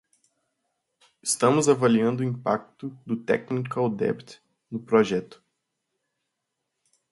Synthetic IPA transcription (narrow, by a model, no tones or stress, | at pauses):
ɪst̪ɐ̃mʊzavaliɐ̃nd̪ʊĩpa̰k̚t̪ʊd̪ʊt̪ɛ̰knikawd̪ɛ̰pt̪ | nʊpɾɔʒɛt̪ʊ̥